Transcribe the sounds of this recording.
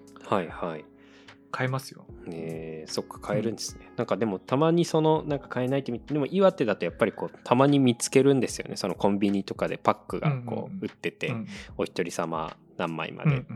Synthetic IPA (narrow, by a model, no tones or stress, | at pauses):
haihai | kʰaemasɨjoneso̞kːḁkʰae̞ɾɯ̟̃nd̪e̞sɨ̥ne̞nãŋkad̪e̞mo̞t̪amaɲ̟iso̞no̞nãŋkḁkae̞nait̪ːemʲid̪e̞mo̞ʔiβat̪ːe̞d̪at̪o̞japːaɾʲiko̞ːt̪ʰamaɲ̟imʲit͡sɨ̥ke̞ɾɯ̟̃nd̪e̞sɨjo̞̰neso̞no̞kõ̞mbʲiɲ̟it̪o̞kad̪e̞pakːɯ̟ɡa̰ko̞̰ːɯ̟t̪ːe̞t̪e̞o̞çi̥t̪o̞ɾʲisama̰ | nãmːa̰ḭmʔa̰d̪e̞̰